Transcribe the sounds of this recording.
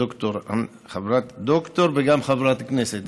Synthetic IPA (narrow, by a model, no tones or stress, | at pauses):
okt̪oɾɐ̰m | xɐbɾat̪d̪okt̪oɾbeɡamxɐbɾat̪kneset̪